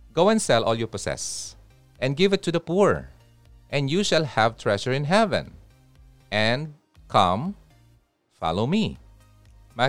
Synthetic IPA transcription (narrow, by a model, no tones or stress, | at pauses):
ɡowɛ̃nsɛlʔɔlˠjupɔsɛ̰s | ʔɛ̃nɡɪvɨt̪ʰːud̪ɐpuɹ | ʔɛ̃njuʃalhævt̪ʰɹɛʃəɹɪ̃nɦɛvɛ̰̃n | ʔɛ̃nd̚ | kʰʌ̰̃m | fɑ̰loʊmi | ma